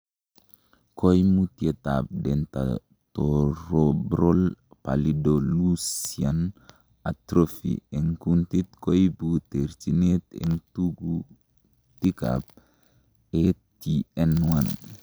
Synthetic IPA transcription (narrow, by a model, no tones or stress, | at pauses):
kojmutiet̪a̰p̚denta̰ | toɾobɾolpa̰lidolusian | atɾofḭeŋkuntit̪kojbuteɾt͡ʃinet̪ḛntuɡu | tika̰p̚ | etiɛnwan